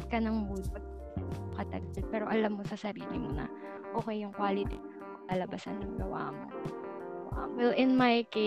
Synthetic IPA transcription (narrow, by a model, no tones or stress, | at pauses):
kɐnɐŋmudpɐɡ̚ | ɐokɐt̪ɐɡɐlpɛːɾo̞ʔɐlamːosɐsɐɾiːlɪmonɐ̰ | ʔo̞ːkɛjːʊŋkwaːlɪt̪i | lalɐbasɐ̰njʊŋɡɐwa̰ːmo̰ | ʔʔɐ̰wɛlʔɪnmajke